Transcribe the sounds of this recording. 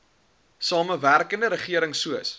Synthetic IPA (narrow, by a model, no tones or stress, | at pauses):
sɑːməværkəndəɾəχiəɾəŋsuəs